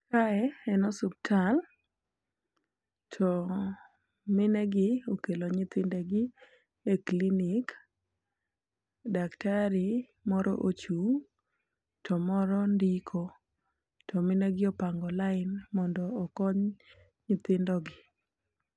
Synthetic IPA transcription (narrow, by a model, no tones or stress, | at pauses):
kaɛɛnɔsup̚tʰal | tʰɔ | mɪnɛɡɪokeloɲɪt̪ɪndɛɡɪ | eklinik | daktaɾi | mɔɾɔ̰ʔot͡ʃu | tʰɔmɔɾɔndikʰo | tʰɔmɪnɛɡɪɔpaŋɡɔlaɪnmɔndɔːkɔɲ | ɲɪt̪ɪndɔɡɪ